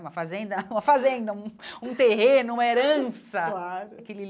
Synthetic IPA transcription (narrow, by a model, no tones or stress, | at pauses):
umɐfazẽnd̪ɐũmɐfazẽnd̪ɐũũt̪eɦẽnʊũmɐeɾɐ̃sɐlakelɪ